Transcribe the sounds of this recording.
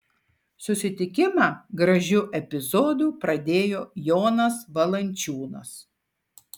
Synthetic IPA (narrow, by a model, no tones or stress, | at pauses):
sʊsʲɪt̪ʲɪkʲɪmɑːɡɾɐʒʲʊʔɛpʲɪzoːd̪uːpɾɐd̪ʲeːjoːjoːnɐsʋɐlˠɐnʲˑt͡ʃʲuːnɐ̰s